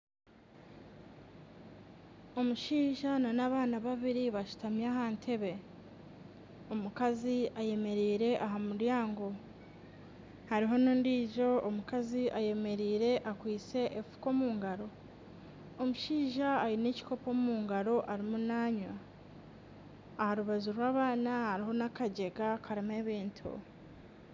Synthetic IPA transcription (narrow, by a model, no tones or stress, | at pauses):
o̞muʃiːʒananaβaːnaβaβiɾiβaʃu̥tamjaːɦaːntʰe̞βe̞ | omukaziaje̞me̞ɾiːɾe̞ʔaɦamuɾjaːŋɡo̞ | haɾiɦo̞nuːndiːʒo̞omukaziʔaje̞me̞ɾiːɾe̞ʔakwiːt͡se̞ʔefu̥ko̞ːmuːŋɡaɾo̞ | omuʃiːʒaːjineci̥ko̞po̞muːŋɡaɾo̞ʔaɾimunaːɲwa | haɾuβazuɾwaːβaːnahaɾiɦo̞nakaɟe̞ɡakʰaɾime̞βiːntʰṵ